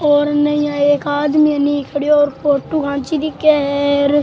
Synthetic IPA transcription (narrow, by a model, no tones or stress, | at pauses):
oːɾnəĩːaːeːkaːd̪miːəniːkʰəɽjoːɾpoːʈːuːkʰãːnt͡ʃiːd̪ikɛːɾ